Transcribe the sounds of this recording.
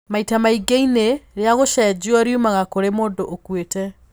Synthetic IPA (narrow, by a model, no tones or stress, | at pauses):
maitamaiɡeineɾeaɣoʃɛd͡ʑuɔɾjumaɣakoɾemoːndoʔokwetɛ